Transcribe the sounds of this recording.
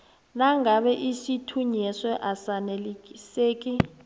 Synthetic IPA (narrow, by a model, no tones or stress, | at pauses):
naŋɡʱaɓɛʔisitʰuɲɛswɛʔasanɛliiseːk̬ʼi